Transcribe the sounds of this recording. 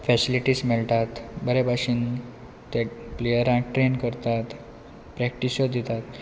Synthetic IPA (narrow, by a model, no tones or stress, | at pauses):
fɛsiliʈiːsmeɭʈ̪at̪bəɾebʱaɕiːn | t̪eplejəɾãŋk̚ʈɾenkəɾt̪at̪ | pɾɛk̚ʈisjod̪ʱit̪at̪